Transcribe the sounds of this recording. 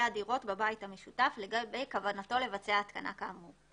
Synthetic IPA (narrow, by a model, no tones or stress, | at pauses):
adiʁo̞tbabaithame̞ʃutaflbejkavanato̞le̞vat͡seaːt̪kana̰kamu